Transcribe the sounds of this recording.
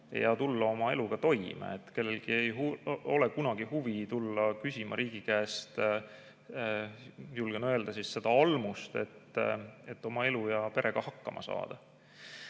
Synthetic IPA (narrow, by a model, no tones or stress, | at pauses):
jɑt̪ulːɑo̞mɑe̞luɡ̥ɑt̪o̞jmɑ̰ḛt̪ːke̞lːe̞lɡ̥ie̞juo̞le̞kunɑɡ̥ihuvit̪ulːɑkysʲimɑɾʔiːɡ̥ikæːst̪ | julɡ̥enøe̞ld̪̥ɑsisːe̞d̪̥ɑɑlmust̪e̞̰t̪ːe̞t̪ːˑo̞mɑe̞lujɑpe̞ɾʔe̞ɡ̥ɑhɑkːɑmʔɑ̰sɑ̰ːd̪̥ɑ